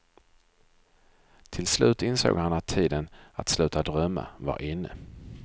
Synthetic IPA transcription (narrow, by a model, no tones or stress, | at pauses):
t̪ʰɪlslʉ̟ːt̪ɪnso̰ːɡhanat̪ʰːiːd̪ənat̪slʉ̟ːt̪ad̪ɾœmːa̰va̰ɾʔɪnːə